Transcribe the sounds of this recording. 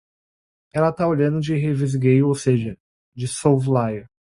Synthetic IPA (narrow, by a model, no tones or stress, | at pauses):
ɛlɐt̪aoʎɐ̃nd̪ʊd͡ʒɪɦevizɡejʊowseʒɐ | d͡ʒɪsowvlajɐ